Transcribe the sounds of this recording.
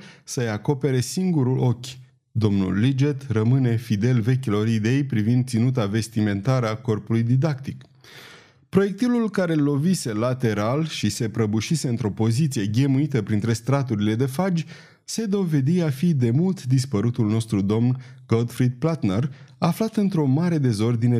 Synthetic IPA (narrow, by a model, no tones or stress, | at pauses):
səjako̞pe̞ɾe̞siŋɡuɾulo̞kʲ | d̪o̞mnṵlːid͡ʒet̪rəmɨne̞fid̪e̞lve̞kʲilo̞ɾid̪e̞jpɾivind̪̚t̪sinut̪̬ave̞st̪ime̞nt̪aɾəako̞rpulujd̪id̪akt̪ik | pɾo̞je̞k̚t̪ilulkaɾe̞lo̞vise̞lat̪e̞ɾalʃise̞pɾəbuʃise̞ɨnt̪ɾo̞po̞zit̪sie̞ɡʲe̞muit̪əpɾint̪ɾe̞st̪ɾat̪uɾile̞d̪e̞fad͡ʒʲ | se̞d̪o̞ve̞d̪iafid̪e̞mult̪d̪ispəɾut̪ulno̞st̪ɾud̪o̞mnɡod̪fɾid̪̚plat̪neraflat̪ɨnt̪ɾo̞maɾe̞d̪e̞zo̞rd̪ine